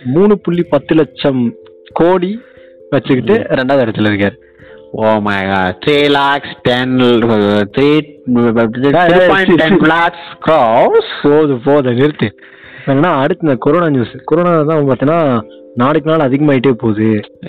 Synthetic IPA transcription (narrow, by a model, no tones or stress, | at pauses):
muːɳɯpʊɭːipɐt̪ːɯlɐt͡ʃːɐm | koːɽi | ʋɐt͡ʃːɯkːɪːɯɾɛɳɖaːðɐɽɯt̪ːɯlɪɾɯkːaːɾ | oːmɐ̰ɪɡaːɖt̪ɾiːlaːksʈɛn | t̪ɾiː | aːɾpːɪ̃t͡ʃːʈːɛnplaːkskɾɔspoːðɯpoːðɐnɪɾɯt̪ːɯ | eːnenːaːɐɽɯt̪ːɐnd̪ɐkɔɾoːnaːɲuːskɔɾoːnaːt̪ãːɐpaːɾt̪iŋnaː | naːɽɯk̬ːɯnaːlɐðɪɣɐmaːjɪʈːeːpoːðɯ